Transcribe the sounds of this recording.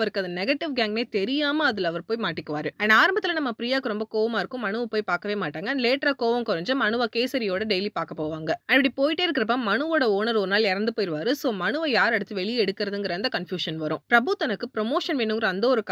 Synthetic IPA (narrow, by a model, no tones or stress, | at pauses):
ʋɐɾɯkːɯɐðɐnɛɡɐʈːɪʋɡaːŋɡneːt̪ɛɾɪjaːmɐɐðɯlɐʋɐɾpoːjmaːʈːɪkːɯʋaːɾɯɛnaːɾɐmbɐt̪ːɪlɐnɐmːɐpɾiːjaːkɯɾɔmbɐkoːʋɐmaːɪɾɯkːʊ̃mɐɳɯʋɐpoːjpaːɾkɐʋeːmaːʈːaːŋɡɐleːʈɾaːkoːʋɐmkʊɾɐɲd͡ʒɐ̃mɐnɯʋaːkeːsɐɾɪjoːɽɐɖɛjlipaːɾkɐpːoːʋaːŋɡɐɐʋɐɽipoːjɪʈːeːɪɾɯkːɪɾɐp̬ːaːmɐnɯʋoːɽɐoːnɐɾɔɾɯnaːlɪɾɐnd̪ɯpoːjɪɾɯʋaːɾɯsoːmɐnɯʋɐjaːɾɛɽɯt̪ːɯʋɛɭɪjɛɽɯkːɪɾɐðɯŋɡɪɾɐɐnd̪ɐkɐnfjuːʂɐnʋɐɾʊ̃pɾɐbuːt̪ːɐnɐkːɯpɾɔmoːʂɐnʋeːnːɯŋɡɐɾɐɐnd̪ɐɔɾɯkː